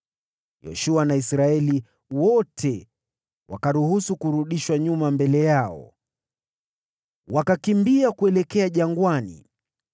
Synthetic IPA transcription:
jɔ̰ʃuanaisɾaɛli | wɔtʰɛ | wa̰kaɾuhusukuɾuɗiʃwaɲumambɛlɛjaɔ̰ | wakakimbiakuɛlɛkɛaʄaŋɡwanḭ

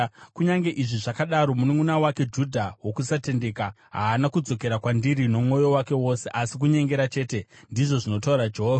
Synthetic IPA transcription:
kuɲaŋɡe̞ʔiʐiʐakaɗaɾo̞munomunawake̞d͡ʒudʱawo̞kusate̞nde̞ka | ɦaːnakud͡zo̞ke̞ɾakwandiɾino̞m̩ŋo̞jo̞wake̞wo̞se̞ʔasik̬uɲe̞ŋɡe̞ɾat͡ʃe̞ːte̞ndiʐo̞ʐino̞tauɾad͡ʒeɦoːva

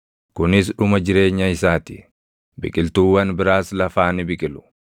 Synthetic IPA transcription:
kʊnɪsᶑʊmɐd͡ʒɪɾe̞ːɲːɐɪsaːt̪ɪ̥̰ | bɪ̰kʼɪlt̪uːwɐnbɪɾaːslɐfaːnɪbɪkʼɪlʊ̥

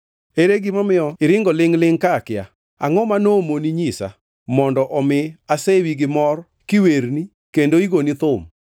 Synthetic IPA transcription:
eɾeɡɪmamɪɔɪɾɪŋɡɔlɪŋlɪŋkakɪja | a̰ŋɔmanomoniɲisa̰ | mɔndɔʔɔmɪasewiɡɪmɔr | kiweɾni | kendoiɡonit̪ʊm

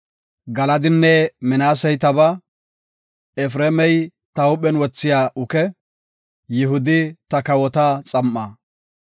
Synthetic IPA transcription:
ɡɐlɐd̪ɪnːɛmɪnaːsɛjt̪ɐbɐ | ɛfɾeːmɛj | t̪ɐʊɓɛnwɔt͡sːɪjaːʔʊkɛ | jɪɦʊd̪ɪt̪ɐkɐwɔt̪at͡sʼɐmːaː

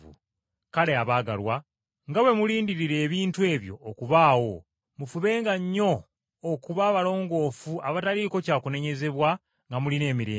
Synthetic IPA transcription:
ṵ | kale̞aβaːɡa̰lwa | ŋɡawe̞muliːndiɾiɾe̞ːβiːntue̞ːβjo̞̰ːkuβaːwo̞ | mufuβe̞ːŋɡaɲːo̞ː | kuβaːβalo̞ːŋɡo̞ːfuaβataɾiko̞caːkune̞ɲe̞ze̞βwa | ŋɡamuline̞ːmiɾḛː

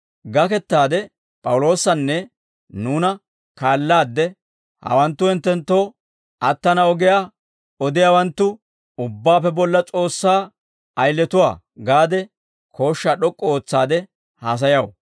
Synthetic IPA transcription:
ɡɐkɛt̪ːaːd̪ɛ | pʼɐwʊlo̞ːsːɐnːɛ | nuːnɐ | kaːlːaːd̪ːɛ | hɐ̰wɐnt̪ːʊɪnt̪ːɛnt̪ːoː | ɐt̪ːɐnɐɔɡɪjaː | ɔd̪ɪjaːwɐnt̪ːʊ | ʊbːaːpːɛbɔlːɐt͡sʼo̞ːsːaː | ɐjlːɛt̪ʊwa̰ː | ɡaːd̪ɛ | kʰo̞ːʃːaɗɔkʼːɔoːt͡sːaːd̪ɛ | haːs̬ɐjɐw

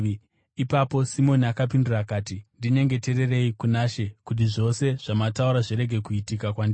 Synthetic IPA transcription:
ipapo̞simo̞niakap̬indurakaːtindine̞ŋɡe̞teɾe̞re̞ikunaʃe̞kut̬iʐo̞se̞ʐ̥amatauɾaʐiɾe̞ɡʱe̞kuitikakwandi

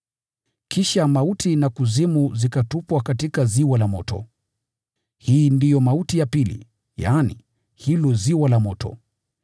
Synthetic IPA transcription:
kʰiʃamautʰinakuzimuzikatupwakatikaziwalamɔtɔ̰ | hiːndijɔmautijapilḭ | ja̰ːnḭ | hilɔziwalamɔtɔ̰

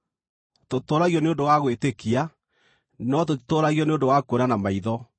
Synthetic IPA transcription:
totoɾaɣiɔneondowaɣwetekia | nɔtotoɾaɣiɔneondowakoɾanamaiðɔ

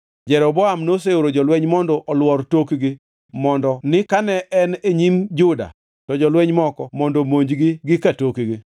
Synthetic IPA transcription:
d͡ʒɛɾɔbɔamnoseoɾod͡ʒɔlwɛɲmɔndɔʔɔlwɔrtokɡɪ | mɔndɔnɪkanɛʔɛneɲimd͡ʒʊda̰ | tɔd͡ʒɔlwɛɲmɔkɔmɔndomoɲd͡ʒɡɪɡɪkatokɡɪ

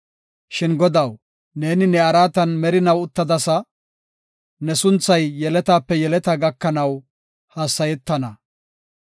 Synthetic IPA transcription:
ʃɪnɡɔd̪ɐw | ne̞ːnɪnɛɐɾaːt̪ɐnmɛɾɪnɐwʊt̪ːɐd̪ɐsɐ | nɛsʊnt͡sːɐjːɛlɛt̪aːpːɛjɛlɛt̪ɐɡɐkːɐnɐw | haːsːɐjɛt̪ːɐnɐ

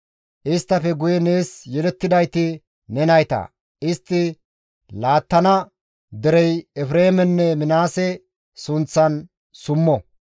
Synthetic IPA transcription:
ʔɪst̪ːɐfɛɡʊjɛne̞ːsjɛd̪ɛt̪ːɪd̪ɐjt̪ɪ | nɛnɐjt̪ɐ̰ | ɪst̪ːɪ | laːt̪ːɐnɐ | d̪ɛɾɛjɛfɾe̞ːmɛnːɛmɪnaːsɛ | sʊnt͡sːɐn | sʊmːɔ

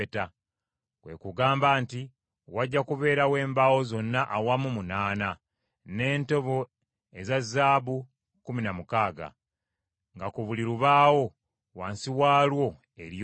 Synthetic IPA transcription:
eta | kwe̞̰kuɡaːmbaːnti | waɟːakuβe̞ːɾawe̞ːmbawo̞zo̞nːaʔawamumunaːna | ne̞ːnto̞βo̞ | e̞zazːaːβu | kuminamukaːɡa̰ | ŋɡakuβuliɾuβaːwo̞ | waːnsiwaːlwo̞ | eɾj

